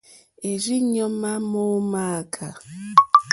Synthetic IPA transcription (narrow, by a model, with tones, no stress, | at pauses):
e˨ɾi˦ɲɔ˦ma˦mo˦ma˦a˨kʰa˨